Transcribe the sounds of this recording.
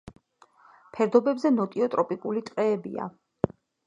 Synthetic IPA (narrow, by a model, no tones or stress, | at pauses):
pʰɛɾd̪ɔbɛbzɛnɔt̪ʼiɔt̪ʼɾɔpʼikʼulit̪ʼqʼɛːbḭa̰